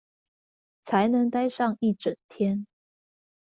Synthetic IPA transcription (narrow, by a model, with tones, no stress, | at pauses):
t͡sʰa˧˥ɪnɤ˧˥ŋt̪a˥ɪʂɑ˥˧ŋi˥˩ʈ͡ʂə˨˩ŋt̪ʰjɛ˥n